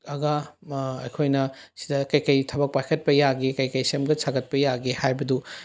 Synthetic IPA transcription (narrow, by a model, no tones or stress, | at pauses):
ɐɡɐɐjkʰojnɐsidɐkɐjkɐjtʰɐbɐk̚pajkʰɐt̚pɐjaɡekɐjkɐjsemɡɐsaɡɐt̚pɐjaɡehajbɐdu